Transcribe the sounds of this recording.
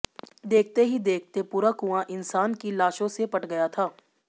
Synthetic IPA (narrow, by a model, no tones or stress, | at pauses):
d̪eːk̚ʰt̪eɦid̪eːk̚ʰt̪epuːɾakuãʔɪnsaːnkilaːʃõsepɐʈɡɐjat̪ʰaː